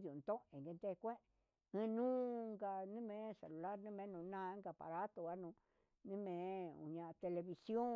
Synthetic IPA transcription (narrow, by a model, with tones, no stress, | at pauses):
ðu˨nt̪õ˦ʔẽ˨ŋɡe˧nd̪e˦˧kʷe˦ | ɨ̃˧nũː˦˧ŋɡa˧nĩ˦mẽ˨˧se˨lu˨la˦ɾnĩ˦mẽ˧˦nũ˧nã˦˧˦ɡa˧pa̰˨ɾa˦t̪o˧ɣa˦nũ˧ | nĩ˦mẽ˨˧ṵ˨ɲã˧t̪e˧le˧βi˧sjo˦